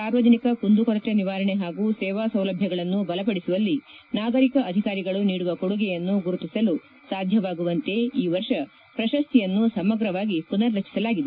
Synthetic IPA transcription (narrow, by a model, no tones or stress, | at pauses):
saːɾʋɐd͡ʒɐnikɐkund̪ukɔɾɐt̪eniʋaːɾɐɳeɦaːɡuːsɛːʋaːsɐwlɐbʱjɐɡɐɭɐnːubɐlɐpɐɽisuʋɐlːi | naːɡɐɾikɐʔɐd̪ʱikaːɾiɡɐɭuniːɽuʋɐkoɽuɡɛjɐnːuɡuɾut̪isɐlu | saːd̪ʱjɐʋaːɡuʋɐnt̪e̞iːʋɐɾʃɐ | pɾɐʃɐst̪ijɐnːusɐmɐɡɾɐʋaːɡipunɐɾːɐt͡ʃːi̥sɐlaːɡid̪e